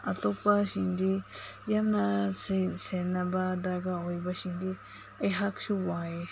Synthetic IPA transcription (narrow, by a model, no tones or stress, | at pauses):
ɐ̰t̪opaʃindijanasesenɐbad̪aɡaojbɐʃindi | ɐjɦaksuwae